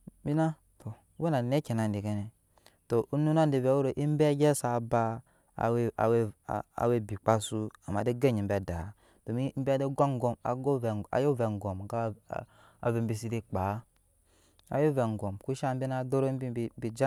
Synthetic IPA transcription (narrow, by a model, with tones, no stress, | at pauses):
bi˦na˦ | tʰo˨˦we˦na˨ne˦ke˨na˨n˨di˨ke˦ne˨ | to˨ʔu˦nu˦na˦n˦di˨ve˨˦o˦ɾo˨ʔi˦m˦be˦ɡe˦sa˨ba˦ | a̰˨wa˨we˦˨a̰˨we˦bi˨k͡pa˦su˦a̰˨ma̰˨de˦ɡe˦ɲi˨m̩˦be˨da˨ | to˨mi˦m̩˦bde˦ɡʷa˦ŋ˦ɡo˨ma̰˨ɡo˦va̰˨jo˦ve˨ŋ˨ɡo˨m˨ɡa˦˨ | a̰˨ve˨m˦bi˨si˦di˦k͡pa˨˦ | a̰˨jo˦ve˨ŋ˨ɡo˨mku˦ʃa˦m˦bi˦na˦do˦ɾo˦i˦bbi˨d͡ʒa˦